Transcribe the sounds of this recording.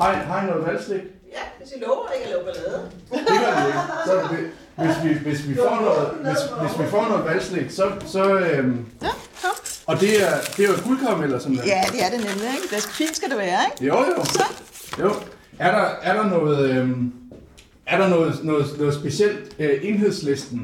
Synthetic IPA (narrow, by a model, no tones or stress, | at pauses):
hɑ̈ɦɑ̈inɔ̽ːð̩ˠʋælsleɡ̥ | ɔʊɐeɡ̥lɔb̥leð̩ˠ | d̥e̝ʋɑsɒ̽ʋe | ʋe̝sʋiʋe̝sʋifɒ̰ːnɔ̽ːð̩ˠʋe̝sʋe̝sʋifɒ̰ːnɔ̽ːð̩ˠʋælsleɡ̥sɒ̽sɒ̽øm | ɒ̽d̥e̝æɐd̥e̝ɡ̥ulˠkʰɑʊmelɐsɒ̽mlææd̥e̝æɐdenemlieɡ̥b̥esɡ̥fḭːnsɡ̥æd̥eʋæːɐeɡ̥joʊ̰jo | joʊ | æɐɾɑ̈æɐɾɑ̈nɔ̽ːð̩ˠm | æɐɾ̥ɑ̈nɔ̽ːð̩ˠnɔ̽ːð̩ˠnɔ̽ːð̩ˠsb̥e̝sel̰d̥øʔe̝nɦe̝ð̞̰ˠslesd̥n̩